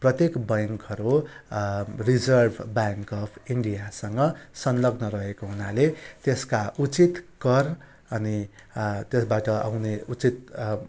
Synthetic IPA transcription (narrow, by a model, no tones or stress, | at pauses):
prʌt̪jekbʌjŋkʌɾu | rid͡zʌrbʱbaŋkʌpʰiɳɖijasʌŋɡʌsʌnlʌɡnʌɾʌɦekoɦunalet̪eskaʔut͡sit̪ɡʌr | ʌnit̪esbaʈʌʔa̰wneut͡sit̪̚